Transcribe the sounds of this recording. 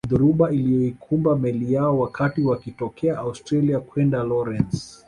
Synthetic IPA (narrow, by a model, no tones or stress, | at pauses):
ðɔɾuɓailijɔikʰumbamɛlijaɔwakʰatiwakitɔkʰɛaʔaustɾaliakwɛndalɔɾɛns